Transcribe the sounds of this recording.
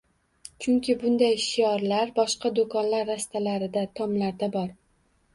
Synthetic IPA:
t͡ʃʰʊŋkʲɪbʊnd̪ajʃijɒɾlaɾbɒʃqɑd̪okʰɒnlaɾːast̪ʰalaɾɪd̪at̪ʰɒmlaɾd̪abɒɾ

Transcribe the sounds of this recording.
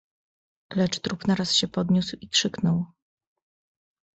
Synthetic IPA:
lɛt͡ʂt̪ɾupnaɾasɕɛpɔd̪ɲuswikʂɘknɔw

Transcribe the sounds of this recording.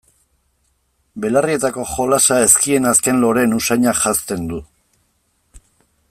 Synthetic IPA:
be̞larie̞t̪ako̞xo̞lasae̞skie̞naske̞nlo̞ɾe̞nusajɲaʝast̪e̞nd̪u

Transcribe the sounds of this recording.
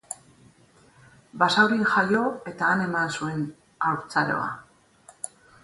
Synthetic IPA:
basawɾinʝajo̞e̞t̪aːne̞mansue̞n | awɾt͡saɾo̞̰a̰

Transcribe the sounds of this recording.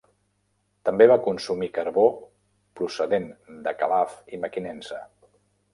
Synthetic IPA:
t̪əmbeβakunsumikəɾβo | pɾusəðend̪əkəlafiməkinensə

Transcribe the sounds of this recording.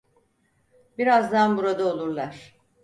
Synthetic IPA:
biɾazd̪anbuɾad̪aolˠuɾlˠaɾ̥

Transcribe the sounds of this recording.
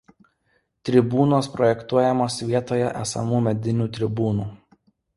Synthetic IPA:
t̪ʲɾʲɪbuːnoːspɾɔjɛkt̪uɔjɛmoːsʋʲiɛt̪oːjɛ̰ʔæsɐ̰muːmʲɛd̪ʲɪnʲuːt̪ʲɾʲɪbuːnuː

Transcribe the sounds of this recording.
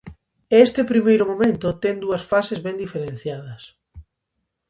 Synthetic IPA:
est̪ɪpɾimejɾʊmomẽnt̪ʊt̪ɛŋd̪uɐsfasezβɛnd̪ifeɾen̟θjaðɐs

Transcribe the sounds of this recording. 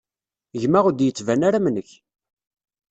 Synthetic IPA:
ʝmaʁud̪jət͡sːvænaɾamnəç

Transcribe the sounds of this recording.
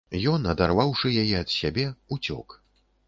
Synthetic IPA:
jɔnɐd̪arvawʂɨjajɛɐt̪sʲabʲɛut͡sʲɔ̰k

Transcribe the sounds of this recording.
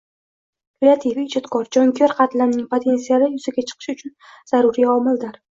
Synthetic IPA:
ɾeat̪ʰivid͡ʒɒt̪kʰɒɾd͡ʒɒŋkʲʰɒɾqʰɑt̪laɾnɪŋpʰot̪ʰe̞nsijalɪjʊzaɡʲat͡ʃʰɨ̥qʰɨ̥ʃʊt͡ʃʰʊnz̥aɾʊɾiɒmɪld̪aɾ

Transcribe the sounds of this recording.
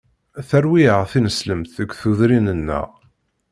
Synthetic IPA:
θæɾwiəʁθinəsləmθəɡʷθuðɾinənːə̰ʁ

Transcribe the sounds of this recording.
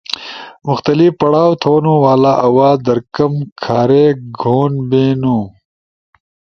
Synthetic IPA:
mʊxt̪ɐlifpɐɽaːwt̪ʰoːnoːwaːlaːʔɐwaːd̪ɐɾkɐmkʰaːɾeɡʱoːnbeːnuː

